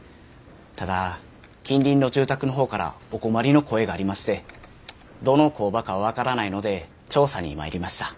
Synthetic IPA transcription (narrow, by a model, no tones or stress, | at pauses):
t̪ad̪a | kʲĩnɾʲĩnːo̞ʑɨːt̪akɯ̟no̞ɦoːkaɾa̰o̞ko̞maɾʲino̞ko̞e̞ɡaːɾʲimaɕi̥t̪e̞ | d̪o̞no̞ko̞ːbakaββakaɾanaino̞d̪e̞ | t͡ɕo̞ːsaɲ̟ḭma̰eɾʲimaɕi̥t̪ḁ